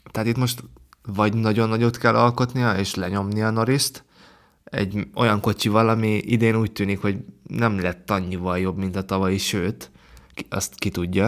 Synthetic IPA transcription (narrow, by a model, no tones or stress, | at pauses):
t̪ɛɦat̪it̪mo̞ʃt̪vɒɟnɒɟo̞nːɒɟot̪kɛlːɒlko̞t̪nijɒeːʃlɛɲo̞mnijɒno̞ɾiʃt̪ | ɛ̰ɟo̞jɒŋko̞t͡ʃivɒlɒmiʔid̪eːnuːc̚t̪yːnikho̞ɟnɛmlɛt̪ːɒɲːivɒljo̞bmint̪ɒt̪ɒvɒiʃøːt̪ | ɒ̰st̪kit̪uɟːɒ